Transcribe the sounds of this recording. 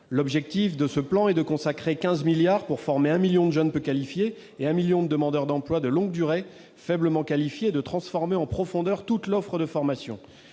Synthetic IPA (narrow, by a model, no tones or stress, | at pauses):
lɔbʒɛk̚t̪ifd̪əsəplɑ̃ɛd̪əkɔ̃sakχekʲɛ̃zmiljaʁpuʁfɔʁmeɛ̃miljɔ̃d̪əʒœnpøkalifjeː | ɛ̃miljɔ̃d̪əd̪əmɑ̃d̪œʁd̪ɑ̃plwad̪əlɔ̃ɡd̪yʁe | fɛbləmɑ̃kalifjeːd̪ət̪χɑ̃sfɔʁmeɑ̃pχɔfɔ̃d̪œʁt̪ut̪lɔfχəd̪əfɔʁmasjɔ̰̃